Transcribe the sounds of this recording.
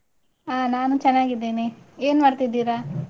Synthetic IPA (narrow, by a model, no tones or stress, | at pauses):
aːnaːnut͡ʃɛnːaːɡid̪ːeːnieːnmɐɾt̪id̪ːiːɾaː